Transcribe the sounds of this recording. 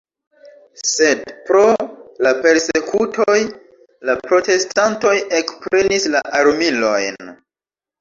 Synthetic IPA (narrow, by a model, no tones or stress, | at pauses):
se̞dpɾo̞lape̞ɾse̞kʰutʰoj | lapɾo̞te̞stanto̞je̞kpɾe̞nislaʔaɾmilo̞jn